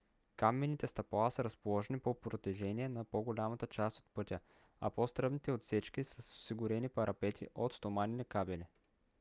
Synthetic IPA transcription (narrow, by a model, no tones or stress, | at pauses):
kamɛnit̪ɛst̪ɐplˠasəɾɐspolˠɔʒɛnipopɾot̪ɛʒɛniɛnɐpoɡolʲamɐt̪ət͡ʃast̪o̥t̪̚pɤt̪ʲə | ɐ̰post̪ɾɤbnit̪ɛot̪sɛt͡ʃkisəso̥siɡʊɾɛnipɐɾʔɐpɛt̪ʰḭʔot̪st̪omaninɛkabɛli